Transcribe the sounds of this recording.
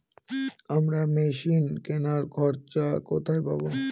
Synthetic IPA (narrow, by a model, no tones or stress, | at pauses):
amɾameʃinkɛnaɾkʰɔɾt͡ʃakot̪ʰajpa̰bo